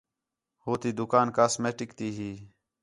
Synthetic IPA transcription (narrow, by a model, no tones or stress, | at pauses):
hoːt̪iːd̪ʊkaːnkaːsmeːʈɪkt̪iːɦiː